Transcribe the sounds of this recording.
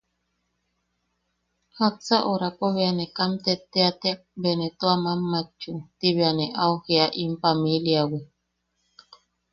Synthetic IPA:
hat͡saʔoɾakoβeanekamt̪et̪eat̪ebenet̪oamamːat͡ʃut̪iβeaneʔaoheaʔimpamiliawe

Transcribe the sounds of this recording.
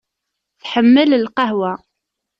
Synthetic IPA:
θħəmːələlqɑɦwæ

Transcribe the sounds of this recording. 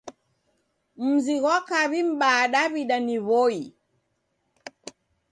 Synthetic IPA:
m̩ziɣwakaβim̩ɓaːɗaβiɗaniβɔi

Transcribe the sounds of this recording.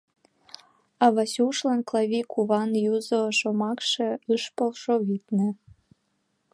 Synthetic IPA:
ɑβɑsuʃlɑnklɑβikʰuβɑnjuzoʃomɑkʃĕɯʃpolʃoβit̪nĕ

